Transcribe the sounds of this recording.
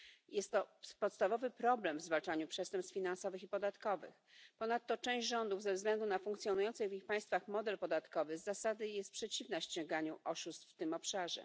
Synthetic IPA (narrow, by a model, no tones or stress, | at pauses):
jɛst̪ːɔpɔt̪st̪avɔvɘpɾɔblɛmvzvalt͡ʂaɲupʂɛst̪ɛmpst̪fʲinansɔvɘxipɔd̪at̪kɔvɘ̰xpɔnat̪ːɔt͡ʂɛ̃w̃ʑd͡ʑʐɔnd̪uvzɛvzɡlɛnd̪unafuŋkt̪sʲjɔnujɔnt̪sɘɣvixpaj̃st̪faxmɔd̪ɛlpɔd̪at̪kɔvɘzasad̪ɘjɛst̪̚pʂɛt͡ɕivnaɕt͡ɕɔ̃ŋɡaɲuʔɔʂust̪ft̪ɘmɔpʂaʐɛ̰